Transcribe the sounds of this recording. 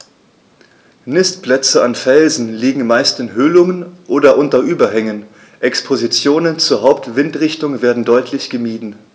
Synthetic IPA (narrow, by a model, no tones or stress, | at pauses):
nɪstplɛt͡səanfɛlzn̩liːɡŋ̩maɪstɪnɦøːlʊŋənʔoːdɐʔʊntɐʔyːbɐɦɛŋən | ʔɛkspʰozit͡sjoːnənt͡suːɐɦaʊptv̥ɪntʁɪçtʊŋveːɐdn̩dɔʏtʰlɪçɡ̥əmiːdn̩